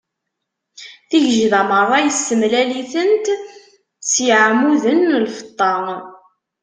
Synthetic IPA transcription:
θiʝəʒðæmərˤːɑjəsːəmlæliθənt̪ | t͡sːjəʕmuðənːlfə̥t̪ˤːɑŋ

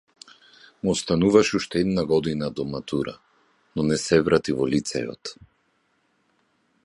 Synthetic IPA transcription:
muɔst̪anuvaʃuʃt̪ɛɛd̪naɡɔd̪inad̪ɔmat̪uɾa̰ | nɔnɛsɛvɾat̪ivɔlit̪sɛ̰jɔ̰t̪

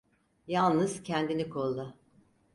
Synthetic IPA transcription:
jalˠnɯz̥cʰɛnd̪inikʰolˠd̪a

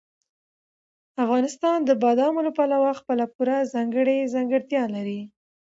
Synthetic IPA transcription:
afɣɑnɪst̪ɑnd̪əbɑd̪ɑmolapalawaxpəlapuɾazɑŋɡəɽezɑŋɡəɽt̪jɑlaɾi

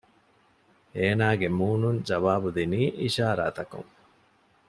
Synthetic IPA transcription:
eːnaːɡemuːnuɲd͡ʒɐʋaːbud̪iniːʔiʃaːɾa̰ːt̪ɐkṵŋ

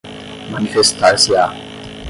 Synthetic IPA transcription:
manifest̪asja

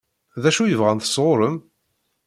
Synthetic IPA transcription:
ðæʃujəvʁænθə̥sˤʁoɾəm

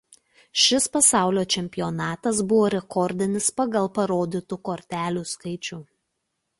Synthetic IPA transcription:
ʃʲɪspɐsɑˑʊlʲoːt͡ʃʲɛmʲpʲɪjoːnɑːt̪ɐs̬bʊʋoːɾʲɛkɔɾʲd̪ʲɪnʲɪspɐɡɐlˠpɐɾoːd̪ʲɪt̪ukoːɾʲt̪ʲæːlʲuːskɐɪt͡ʃʲuː

